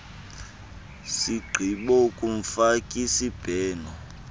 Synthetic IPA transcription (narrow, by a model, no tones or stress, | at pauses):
siɡ͡ǃʱiɓɔkʼuɱ̩fakʼisib̥ʱɛːnɔ